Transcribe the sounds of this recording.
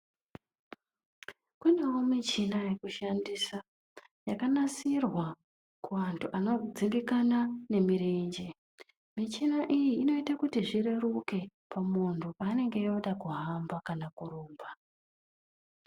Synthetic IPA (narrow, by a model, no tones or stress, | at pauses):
kune̞womit͡ʃinaje̞kuʃandisa | jakanasirwa | kuʋantʰuʔano̞d͡ziŋɡikanane̞miɾeɲd͡ʒe | mit͡ʃinaʔijiːno̞itakutiʐiɾe̞ruke̞ | pamuntʰupaːne̞ŋɡe̞joɗakuɦambakanakuɾoːmba